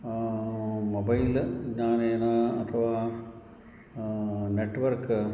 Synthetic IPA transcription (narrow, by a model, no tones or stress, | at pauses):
mobɐjlɲaːneːnaːɐt̪ʰɐʋaː | neʈːʋɐɾk